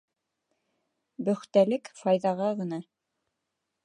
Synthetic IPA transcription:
bɵ̆χt̪ælɘkfɑjðɑʁɑʁɤ̆nɑ

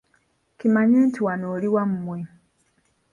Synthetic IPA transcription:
kimaɲiːntiwanoːliwamumwe

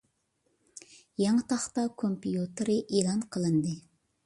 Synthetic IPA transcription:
jɑŋɨt̪ʰɑχt̪ɑkʰompijut̪ɨɾɨʔeːlˠɑnqʰəlˠɨnd̪ɨ

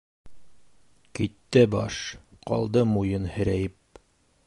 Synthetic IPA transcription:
kit̪ːɘbɑʃqɒ̰lˠd̪ɤmujɤnhɘ̆ɾæjɘp̚

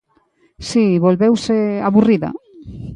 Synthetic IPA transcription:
siβolβewseaβuriða̰

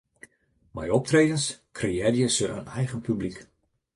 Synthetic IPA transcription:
majɔp̚treːdəskʰreɛdjəsəə̰nɛjɣənpyblik

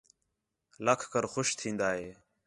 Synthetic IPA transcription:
ləkʰkəɾxoʃt̪ʰĩːnd̪aːɦeː

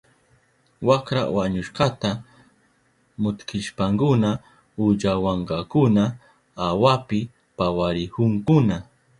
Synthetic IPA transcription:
wakɾa̰waɲʊʃqɑt̪a | mʊt̪kɪʃpaŋkʊna | ʊd͡ʒawɑɴɢɑkʊna | awapɪ | pawaɾɪhʊŋkʊna

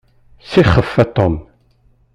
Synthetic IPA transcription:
siχːəfːæt̪ɔm

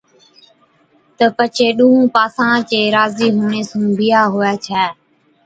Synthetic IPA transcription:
t̪əpət͡ʃʰeːɗũːɦũːpaːsãːt͡ʃeːɾaːziːɦuːneːsũːbɪjaːɦʊːaːt͡ʃʰɛː

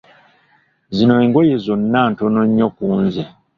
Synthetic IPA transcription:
zino̞eŋɡojezonːantonoɲːokuːnze

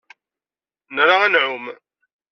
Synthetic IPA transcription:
nəɾaanʕum

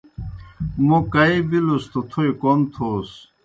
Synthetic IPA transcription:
mokɐibilust̪ʰot̪ʰuikont̪ʰos

